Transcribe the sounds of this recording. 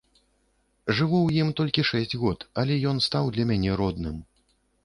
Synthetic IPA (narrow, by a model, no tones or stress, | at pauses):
ʐɨvuwjimt̪ɔlʲkʲiʂɛsʲd͡zʲɣɔt̪ɐlʲɛjɔn̪st̪awd̪lʲɐmʲanʲɛɾɔd̪nɨm